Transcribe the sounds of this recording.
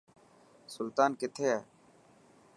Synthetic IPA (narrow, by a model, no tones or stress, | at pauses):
sʊlt̪aːnkɪt̪ʰeːɛː